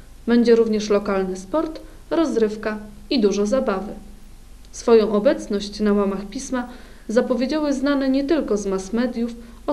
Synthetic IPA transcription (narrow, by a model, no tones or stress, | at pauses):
bɛɲd͡ʑɛɾuvɲɛʂlɔkalnɘspɔɾt̪ | ɾɔzɾɘfka | id̪uʐɔzabavɘ | sfɔjɔ̃w̃ʔɔbɛt̪snɔɕt͡ɕnamamaxpʲisma | zapɔvʲjed͡ʑawɘznanɛɲɛt̪ɘlkɔzmasmɛd̪ʲjuf | ɔ